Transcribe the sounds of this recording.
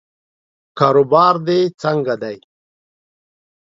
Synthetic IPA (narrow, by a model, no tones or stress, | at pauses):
kaːɾobaːɾd̪et͡saŋɡad̪aj